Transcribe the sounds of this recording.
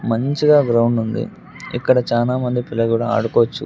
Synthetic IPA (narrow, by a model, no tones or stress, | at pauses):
mɐɲt͡ʃiɡaːɡɾɐwɳɖund̪ḭ | ikːɐɽɐt͡ʃaːlaːmɐnd̪ipilːɐkuːɽaːa̰ːɽukɔːʋɐt͡ʃːu